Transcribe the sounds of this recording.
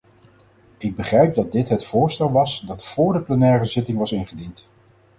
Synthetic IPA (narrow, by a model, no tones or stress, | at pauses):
ɪɡ̚bəχrɛjp̚dɑt̚dɪtɦətfʊːɹstɛlˠʋɑsdɑtfʊːɹdəplənɛːrəzɪtɪŋʋɑsɪnχədint